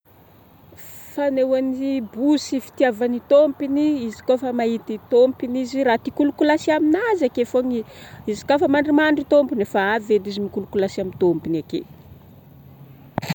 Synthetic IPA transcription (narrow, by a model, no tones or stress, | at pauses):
fanewanibusifi̥t̪iavanit̪ompiniizi̥kofamait̪it̪ompiniziɾat̪ikulukulasiaminazakefoŋiizi̥kofamaɳɖ͡ʐimaɳɖ͡ʐit̪ompinefaaved̪izimikulukulasiamint̪ompinakḛ